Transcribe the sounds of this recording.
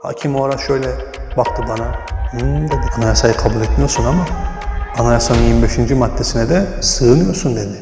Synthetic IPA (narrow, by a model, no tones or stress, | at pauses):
ha̰ːcʰimoɾaʃø̞jlʲɛ | bak̚t̪ʰɯbana | d̪ed̪ianajasajɯkʰabuːlʲet̪mijo̞ɾsunamaː | najasanɯnjiɾmibeʃind͡ʒimad̪ːesinɛd̪ɛsɯːnɯjo̞ɾsund̪ed̪ɪ